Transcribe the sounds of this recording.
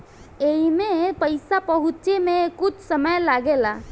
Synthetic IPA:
eimepəjsapəɦut̪t͡ʃemekut͡ʃʰsəməjlaɡela

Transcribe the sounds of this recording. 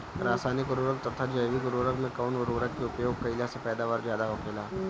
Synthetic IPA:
ɾaːsaːnɪkʊɾoːɾək̚t̪ɐt̪ʰad͡ʒəjʋikoɾoːɾəkmẽkaʊnoɾoːɾəkkeʊpjoːɡ̚kɐɪlasepɛːd̪aːʋaːɾzjaːd̪aɦokʰelaː

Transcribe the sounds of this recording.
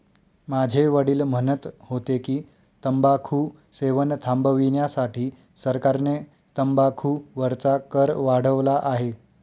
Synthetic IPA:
mad͡ʑʱeʋəɽiːlm̤ənət̪hot̪ekiː | t̪əmbakʰuː | seʋənt̪ʰambəʋinjasaʈʰiː | səɾkaɾne | t̪əmbakʰuːʋəɾt͡sakəɾʋaɽ̤əʋlaʔaɦe

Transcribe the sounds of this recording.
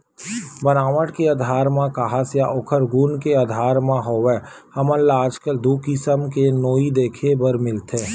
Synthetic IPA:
bənaːʋəʈkeaːd̪ʱaːɾmãkaɦasjaʔoːkʰəɾɡuːnkead̪ʱaːɾmãɦoːʋɛː | hɐməllaːd͡ʒkəld̪uːkɪsəmkenoːid̪eːkʰebəɾmɪlt̪ẽː

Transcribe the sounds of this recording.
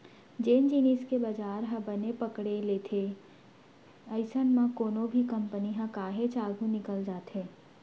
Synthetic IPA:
d͡ʒeːnd͡ʒiːniːskebad͡ʒaːɾɦɐ̃bɐnepɐkɽeleːt̪ʰe | ɐɪsənmãkoːnõbʱikɐ̃mpəniɦãkaːɦet͡ʃaːɡʱũnɪkəld͡ʒaːt̪ɦẽː

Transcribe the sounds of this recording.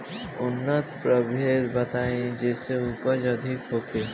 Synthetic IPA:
ʊnːət̪pɾəbʱeːd̪bɐt̪aːẽd͡ʒɛːseuːpəd͡ʒɐd̪ʱɪkɦoːkʰeː

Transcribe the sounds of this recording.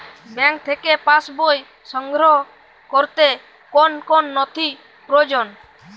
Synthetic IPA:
bɛŋk̚t̪ʰekepãsboj | sɔŋɡɾɔɦo | koɾt̪e | konkonːɔt̪ʰi | pɾod͡ʒon

